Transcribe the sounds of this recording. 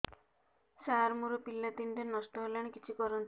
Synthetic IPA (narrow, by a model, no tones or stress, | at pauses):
saɾmuɾopilːat̪iɳʈenɔsʈɔɦolaɽ̃ekit͡ʃʰikɔɾɔnt̪ʰi